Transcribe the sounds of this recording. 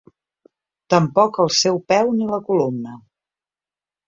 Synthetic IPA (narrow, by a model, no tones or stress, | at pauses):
t̪əmpɔkəlˠsɛwpɛwniləkulomnə